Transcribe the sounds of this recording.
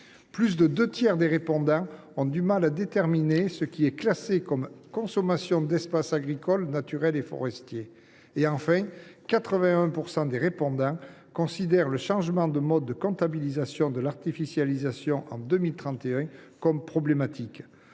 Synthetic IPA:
plys̬d̪əd̪øt̪jɛʁd̪eʁepɔ̃d̪ɑ̃ | ɔ̃d̪ymalad̪et̪ɛʁminesəkʲiɛklasekɔmkɔ̃sɔmasjɔ̃d̪ɛspasaɡʁikɔlnat̪yʁɛlefɔ̰ʁɛst̪je | eɑ̃fɛ̃kat̪χəvɛ̃ɛ̃puʁsɑ̃d̪eʁepɔ̃d̪ɑ̃kɔ̃sid̪ɛʁləʃɑ̃ʒəmɑ̃d̪əmɔd̪ːəkɔ̃t̪abilizasjɔ̃d̪əlaʁt̪ifisjalizasjɔ̃ʔɑ̰̃d̪ømilt̪χɑ̃t̪eɛ̃kɔmpχɔblemat̪ʰik

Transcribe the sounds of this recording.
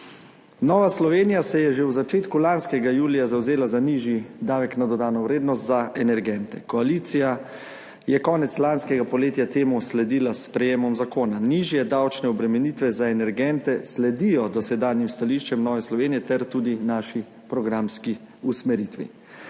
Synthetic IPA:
nɔːʋaslɔʋeːnijasɛjɛʒewzat͡ʃeːt̪kulanskɛɡajuːlijazawzeːlazaniʒjid̪aːʋɛknad̪ɔd̪aːnɔwɾeːd̪nɔst̪zaɛnɛɾɡɛnt̪ɛkɔaliːt̪sija | jɛkɔːnɛt̪slanskɛɡapɔleːt̪jat̪eːmuslɛd̪iːlaspɾɛjeːmɔmzakoːnaniʒjɛd̪awt͡ʃnɛɔbɾɛmɛniːt̪ʋɛzaɛnɛɾɡɛnt̪ɛslɛd̪ijɔd̪ɔsɛd̪aːnjimst̪aliːʃt͡ʃɛmnɔːʋɛslɔʋeːnijɛt̪ɛɾt̪ud̪inaʃi | pɾɔɡɾamski | usmɛɾit̪ʋḭ

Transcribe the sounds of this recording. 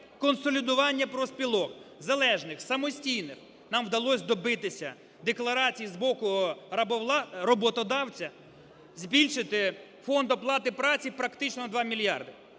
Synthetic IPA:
kɔnsɔlʲid̪ʊʋɑnʲːɐpɾɔspʲilˠɔkzɐlˠɛʒnɪxsɐmɔsʲtʲijnɪx | nɑmwd̪ɐlˠɔsʲd̪ɔbɪt̪ɪsʲɐ̰ | d̪eklˠɐɾɑt͡sʲijizbɔkʊ | ɾɔbɔt̪ɔd̪ɑwt͡sʲɐ | zʲbʲilʲʃɪt̪ɪ | fɔnd̪ɔplˠɑt̪ɪpɾɑt͡sʲipɾɐkt̪ɪt͡ʃnɔd̪ʋɑmʲilʲjɑ̰rd̪ɪ

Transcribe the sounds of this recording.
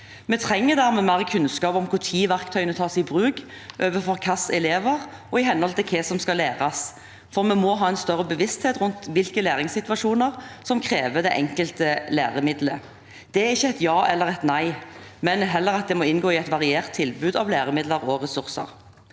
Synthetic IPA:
mɛt̪ʰʁɛŋːəd̪æːʁmɛːmæʁəkʰʉnskɑːpɔmkʰʊʁt̪ʰiːʋæʁkt̪ʰœʏənət̪ʰɑːsɪbʁʉːɡ | ʔøːʋəfɔʁkʰɑsɛleːʋəʁ | ɔɪɦɛnːəhɔlt̪ɪlkʰɛsɔmskɑleːʁɑs | fɔʁmɛmɔɦɑːɛnst̪œʁəbəʋɪst̪heːt̪ʁʉnt̪ʋɪlkəlæːʁɪŋsɪt̪ʋɑʂuːnəʁsɔmkʰʁeːʋəd̪ɛʔɛŋkəlt̪əlḛːʁəmɪd̪lə | d̪̥ɛɛɾɪçːəɛt̪jɑːʔɛlːəʁɛt̪næɪmɛnɦɛlːəʁɑt̪̚d̪ɛmɔɪnɡoːɪɛt̪ʋɑʁɪeːʁt̪ʰːɪlbʉːd̪ɑʋleːʁəmɪd̪ləʁɔʁɛsʉʁsə̰ʁ

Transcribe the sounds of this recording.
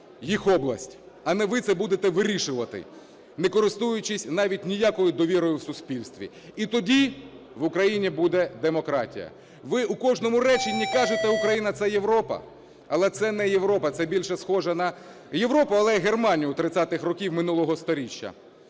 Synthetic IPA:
jixɔblˠɐsʲtʲ | ɐnɛʋɪt̪sɛbud̪et̪ɛʋɪɾʲiʃʊʋɐt̪ɪ̰ | nekɔɾɪst̪ujʊt͡ʃɪsʲnɑʋʲitʲnʲijakɔjʊd̪ɔʋʲiɾɔjʊwsʊsʲpʲilʲst̪ʋʲḭ | it̪ɔdʲi | ʋʊkɾɐjinʲibud̪ɛd̪emɔkɾɑtʲḭjɐ̰ | ʋɪukɔʒnɔmʊɾɛt͡ʃinʲikɑʒet̪ɛʊkɾɐjinɐt̪sɛjeʋɾɔpɐ̰ | ɐlˠɛt̪sɛnɛjeʋɾɔpɐt̪sɛbʲilʲʃɛsxɔʒɐnɐ | je̞ʋɾɔpʊɐlˠɛɦermɑnʲijʊt̪ɾɪt̪sʲat̪ɪxrɔkʲiwmɪnulˠɔɦɔst̪ɔɾʲit͡ʃʲːɐ̰

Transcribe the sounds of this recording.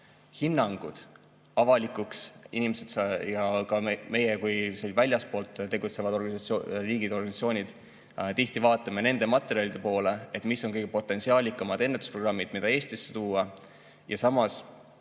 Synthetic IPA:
hinːɑŋɡ̥ud̪̥ | ɑvɑlikˑuksḭnimese̞d̪sjɑkɑme̞jekujselvælʲjɑspo̞ːlt̪ːt̪e̞ɡut̪se̞vɑd̪̥o̞rɡ̥ɑnsriːɡid̪̥o̞rɡɑnisɑt̪t͡ssʲio̞ːnʲid̪̥ | t̪iht̪ivɑːt̪ːˑɑmene̞nd̪emɑt̪ːˑe̞ɾiɑlʲid̪e̞po̞ːle̞et̪ːˑmisːo̞ŋkɤ̞jɡ̥e̞po̞t̪ːˑe̞nsiɑːlʲikːˑɑmɑd̪e̞nːet̪ːˑu̥sproɡrɑmːid̪̥mid̪ɑeːst̪isːet̪uːɑ | jɑsɑmɑs

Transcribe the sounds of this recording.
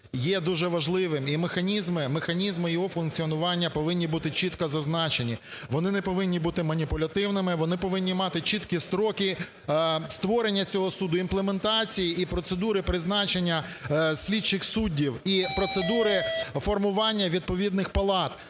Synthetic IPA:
jɛd̪uʒɛʋɐʒlˠɪʋɪmimexɐnʲizmɪmexɐnʲizmɪjɔɦɔfʊnk̚t͡sʲiɔnʊʋɑnʲːɐpɔʋɪnʲːibut̪ɪt͡ʃit̪kɐzɐznɑt͡ʃenʲiʋɔnɪnɛpɔʋɪnʲːibut̪ɪmɐnʲipʊlʲɐt̪ɪwnɪmɪʋɔnɪpɔʋɪnʲːimɑt̪ɪt͡ʃit̪kʲist̪ɾɔkʲi | st̪ʋɔɾenʲːɐt͡sʲɔɦɔsud̪ʊinplˠement̪ɑt͡sʲijiipɾɔt̪sed̪uɾɪpɾɪznɑt͡ʃe̞nʲːɐsʲlʲidt͡ʃːɪxsudʲːiwipɾɔt̪sed̪uɾɪfɔrmʊʋɑnʲːɐʋʲid̪̚pɔʋʲid̪nɪxpɐlˠɑt̪

